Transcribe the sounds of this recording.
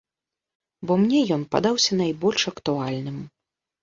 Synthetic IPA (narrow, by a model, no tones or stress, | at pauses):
bɔmnʲɛjɔnpa̰d̪awsʲɐnajbɔlʲʂɐkt̪ualʲnɨm